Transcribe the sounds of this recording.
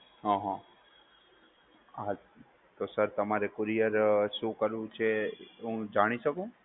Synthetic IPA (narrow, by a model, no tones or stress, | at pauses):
ɦãɦã | a | t̪osəɾt̪əmaɾekʊɾijəɾʃũkəɾʋũt͡ʃʰeɦũd͡ʒaɽ̃iʃəkũ